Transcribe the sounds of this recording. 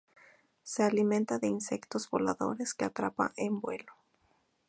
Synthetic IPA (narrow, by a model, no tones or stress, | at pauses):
se̞alimẽnt̪aðe̞inse̞kt̪o̞zβo̞laðo̞̰ɾe̞skeat̪ɾapa̰ʔembwe̞lo̞